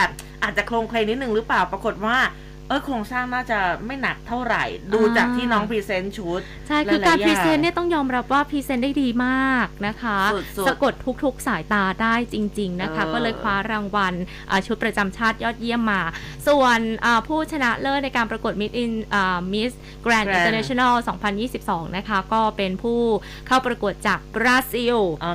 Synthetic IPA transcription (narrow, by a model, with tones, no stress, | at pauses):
bɛ˨˩p̚ | ʔaː˨˩t̪̚t͡ɕa˨˩kʰloː˧ŋkʰleː˧ŋnːi˦˥t̪̚nɯ˨˩ŋɾɯ˦˥plaː˨˩wpɾa˧ko˨˩t̪̚waː˥˩ | ʔɤː˦˥˩kʰoː˧ŋsaː˥˩ŋnaː˥˩t͡ɕa˨˩ma˥˩jna˨˩k̚t̪ʰːa˥˩wɾa˨˩jduː˧t͡ɕaː˨˩k̚t̪ʰiː˥˩nɔː˦˥ŋpʰiː˧˥se˦˥nt͡ɕʰu˦˥t̪̚ | t͡ɕʰa˥˩jʰɯː˧kaː˧npɾiː˦˧˥se˦˥nːi˥˩ɐt̪ɔ˥˩ŋjɔː˧mɾa˦˥p̚waː˥˩pʰiː˧˥se˦˥nda˥˩jdiː˧maː˥˩k̚na˦˥kʰa˦˥˨sa˧˩˧ko˨˩t̪ʰu˦˥k̚t̪ʰu˦˥k̚saː˩˦jt̪aː˧daː˥˩jt͡ɕi˧ŋt͡ɕi˧ŋna˦˥kʰa˦˥kɔː˥˩lɤː˧jkʰwaː˦˥ɾaː˧ŋwa˧n | ʔaː˨˩t͡ɕʰu˦˥pɾa˧t͡ɕa˧mt͡ɕʰaː˥˩t̪̚jɔː˥˩t̪̚ji˥˩əmːaː˧su˨˩ənʔaː˨˩pʰuː˥˩t͡ɕʰa˧na˦˥ʔlɤː˥˩t̪̚na˧jkaː˧npɾa˧ku˨˩ət̪̚mi˦˥t̪̚ʔi˧nʔaː˨˩mi˦˥s | kɾɛː˧nʔi˧t̪əː˧na˦˥t͡ɕʰi˧na˥˩wsɔː˩˦ŋpʰa˧njiː˥˩si˨˩p̚sɔː˩˦ŋna˦˥kʰa˦˥kɔː˥˩pe˧npʰuː˥˩ | kʰa˥˩wpɾa˧ku˨˩ət̪̚t͡ɕaː˨˩k̚bɾaː˧˥si˥˩w